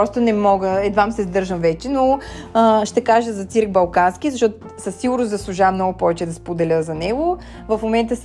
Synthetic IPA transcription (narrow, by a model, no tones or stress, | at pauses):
ɔst̪ʊnɛmɔɡəɛd̪vamsɛzd̪ɤɾʒəmvɛt͡ʃɛnoəʃt̪ɛkaʒəzɐt̪siɾk̚bɐlˠkanskʲizɐʃtɔt̪ʊ | səsːiɡʊɾnʊsd̪ɐslˠuʒamnɔɡʊpɔvɛt͡ʃɛd̪ɐspod̪ɛlʲəzɐnɛɡʊ | vɐfmomɛnt̪əs